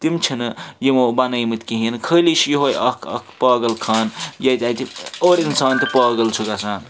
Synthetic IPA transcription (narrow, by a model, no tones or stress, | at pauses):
t̪imt͡ʃʰinjimobɐnɐjmɨt̪kiɦinkʰəlisjiɦojɐkʰɐ̰kʰpaːɡɐlkʰaːnjɐt̪ʲat̪ʰioːɾinsaːnt̪ipaːɡɐlt͡ʃʰuɡɐsaːn